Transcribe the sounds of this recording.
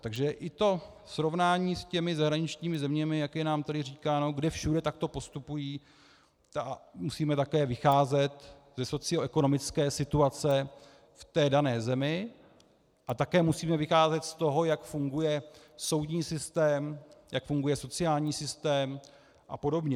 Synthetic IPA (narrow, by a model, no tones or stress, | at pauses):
t̪aɡʒɛʔɪt̪o̞ | sɾo̞vnaːɲiːscɛmɪzaɦɾaɲɪt͡ʃɲiːmɪzɛmɲɛmɪjakjɛnaːmt̪adɪriːkaːno̞ɡdɛfʃudɛt̪ak̚t̪o̞po̞st̪upujiː | amusiːmɛt̪akɛːvɪxaːzɛt̪zɛso̞t͡sɪo̞ʔɛko̞no̞mɪt͡skɛːsɪt̪uat͡sɛ | ft̪ɛːdanɛːzɛmɪ | ʔat̪akɛːmusiːmɛvɪxaːzɛt̪st̪o̞ɦo̞jakfuŋɡujɛ | so̞wd̪ɲiːsɪst̪ɛːmjakfuŋɡujɛso̞t͡sɪaːlɲiːsɪst̪ɛːm | ʔa̰po̞do̞bɲɛ